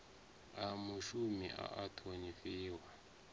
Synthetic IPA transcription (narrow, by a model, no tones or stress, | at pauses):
amuʃumiʔa̰ʔatʰonifiːwa